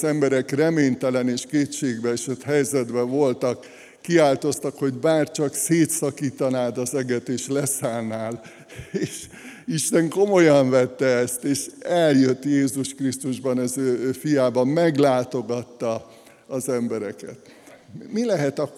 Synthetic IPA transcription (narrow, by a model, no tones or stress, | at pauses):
zɛmbɛɾɛkrɛmeːɲt̪ɛlɛneːʃkeːt̪t͡ʃeːɡbɛʃɛt̪ɦɛjzɛd̪bɛvo̞lt̪ɒkː | iaːlt̪o̞st̪ɒkho̞ɟbaːrt͡ʃɒkseːt̪sɒkiːt̪ɒnaːd̪ɒzɛɡɛt̪eːʃlɛsaːlnaːl | eːʃ | iʃt̪ɛŋko̞mojɒɱvɛt̪ːɛɛst̪eːʃɛljøt̪ːjeːzuʃkrist̪uʒbɒnɛzøːfijaːbɒmɛɡlaːt̪o̞ɡɒt̪ːɒː | zɛmbɛɾɛkɛ̰t̪ | milɛɦɛt̪ɒ